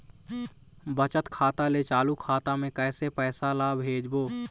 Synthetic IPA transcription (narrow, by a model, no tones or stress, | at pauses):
bət͡ʃət̪kʰaːt̪alet͡ʃaːlukʰaːt̪amẽkɛːsepɛːsalaːbʱɦeːd͡ʒboː